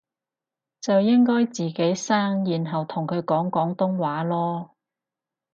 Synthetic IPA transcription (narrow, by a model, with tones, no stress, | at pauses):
t͡sɐ˨wjɪ˥ŋkɔː˥jt͡siː˨˩ke˨˥jsaː˥ŋjiː˨nɦɐ˨wt̪ʰʊ˨˩ŋkʰɵ˨˧ɥkɔː˨˥ŋkɔː˨˥ŋt̪ʊ˥ŋwaː˨˥lɔː˥